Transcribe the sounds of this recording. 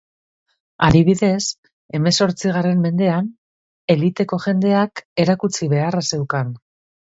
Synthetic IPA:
aðiβ̞iðe̞s | e̞me̞so̞ɾt͡siɣ̞are̞mːe̞nd̪e̞an | e̞lit̪e̞ko̞ʝe̞nd̪e̞ake̞ɾakut͡siβe̞arase̞wkan

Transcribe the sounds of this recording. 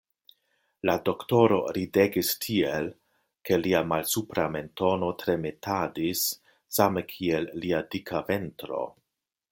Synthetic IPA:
lado̞kto̞ɾo̞̰ɾide̞ɡistʰiel | ke̞liamalsupɾame̞nto̞no̞tɾe̞metʰadisː | amekʰielːiadikʰave̞ntɾo̞̰

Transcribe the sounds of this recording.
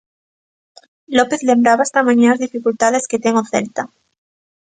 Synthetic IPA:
lope̞θle̞mbɾaβaest̪amãɲaazðifikult̪aðe̞sket̪eŋoθḛlt̪a

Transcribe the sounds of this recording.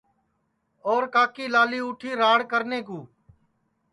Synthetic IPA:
ɔːɾkaːkiːlaːliːuːʈʰiːɾaːɽkəɾneːkuː

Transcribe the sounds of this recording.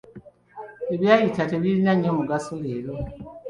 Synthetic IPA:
eβjaːjitate̞βilinaɲːomuɡasoleːlo

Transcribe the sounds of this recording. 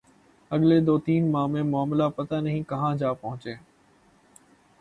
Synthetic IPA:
əɠleːd̪oːt̪iːnmãːmẽːmʊaːmɪlaːpət̪aːnəɦĩːkəɦãːd͡ʒaːpəɦʊ̃t͡ʃeː

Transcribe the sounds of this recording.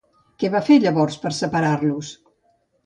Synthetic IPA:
kɛβafeʎəβɔɾspəɾsəpəɾaɾlus

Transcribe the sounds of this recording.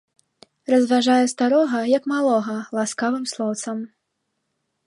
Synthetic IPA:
rɐzvaʐajɛst̪aɾɔɣɐjɐkmalˠɔɣɐlˠaskavɨmslˠɔwt̪sɐm

